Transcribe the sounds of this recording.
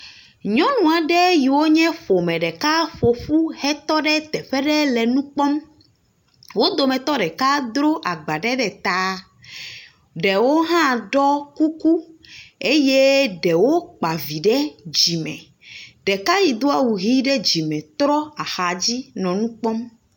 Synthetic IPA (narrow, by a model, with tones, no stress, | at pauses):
ɲɔ̃˦nũ˨a˨ɖɛ˦ji˨wo˦ɲɛ̃˦ɸo˨mɛ̃˨ɖɛ˨ka˦ɸo˨ɸu˦hɛ˦t̪ɔ˦ɖɛ˦t̪ɛ˨ɸɛ˦ɖɛ˦lɛ˨nũ˦k͡pɔ˦m | wo˦d̪o˨mɛ̃˨t̪ɔ˦ɖɛ˨ka˦d̪ɾo˦ʔa˨ɡ͡ba˨ɖɛ˦ɖɛ˨t̪a˦ | ɖɛ˨wo˦ɦã˦˨ɖɔ˦ku˦ku˦e˦je˦ɖɛ˨wo˦k͡pa˨vi˨ɖɛ˦d͡ʑi˨mɛ̰̃˨ | ɖɛ˨ka˦ji˨d̪o˦a˦wu˨ɦi˦ɖɛ˦d͡ʑi˨mɛ̃˨t̪ɾɔ˦a˨xa˨d͡ʑi˦nɔ̃˨nũ˦k͡pɔ˦m